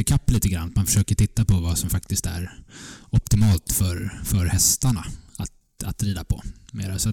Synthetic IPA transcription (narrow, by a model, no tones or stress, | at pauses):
əkʰapːliːt̪əɡɾa̰nːat̪manfœ̥ʂøːkəʈʰɪt̪ːapʰɔvasɔmfak̚t̪ɪst̪æ̰ɾɔp̚t̪ɪmɑːlt̪fœɾfœɾhɛst̪aɳaat̪ | a̰t̪ɾiːd̪apʰɔ̰mḛːɾasɔat̪